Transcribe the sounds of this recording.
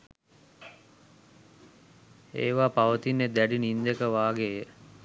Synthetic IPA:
ḛːʋaːpaʋət̪inːed̪æɖinind̪ekəʋaːɡejə

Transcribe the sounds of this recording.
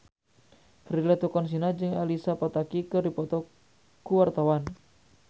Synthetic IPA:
fɾilat̪ukɔns̬inad͡ʒɨŋalisapat̪akikəɾipɔt̪ɔ | kuwart̪awan

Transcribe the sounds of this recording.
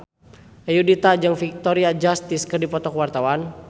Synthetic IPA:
ajudit̪ad͡ʒaŋfik̚t̪ɔɾiad͡ʒast̪iskərdipɔt̪ɔkwart̪awan

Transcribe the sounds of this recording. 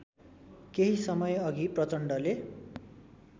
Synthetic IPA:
keɦisʌmʌjʌɡiprʌt͡sʌɳɖʌle

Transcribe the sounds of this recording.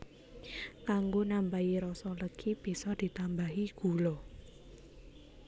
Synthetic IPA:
kaŋɡonampaiɾɔsɔləkʰib̥isɔd̪̥i̤t̪ambaɦiɡ̥ṳlɔ

